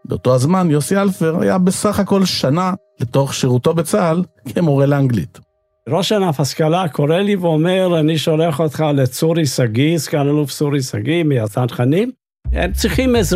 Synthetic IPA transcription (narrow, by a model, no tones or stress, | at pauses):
beoto̞azmanjosialfeʁa̰jabesaχako̞lʃanaleto̞χʃeʁuto̞bet͡salkʰemoʁelaŋɡlḭt | ɾoʃanafaskalakʰo̞ɾeliveomeʁaniʃoleaχot̪χalet͡suɾisaɡiskanaluft͡suɾisaɡimijazanχanim | ḛmt͡sʁiχimez